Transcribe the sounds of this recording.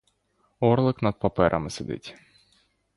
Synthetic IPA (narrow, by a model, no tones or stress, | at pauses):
orlˠɨknɐt̪̚pɐpɛɾʔɐ̰mɨsʲɪd̪ʲɨ̰tʲ